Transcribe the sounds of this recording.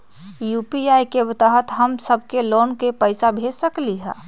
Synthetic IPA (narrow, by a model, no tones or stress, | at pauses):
juːpiaːjkeʋɪt̪aɦət̪ɦəmsəb̚ʱkeloːnkepəɪsabʱeːd͡ʒsəkliɦɛ̰ː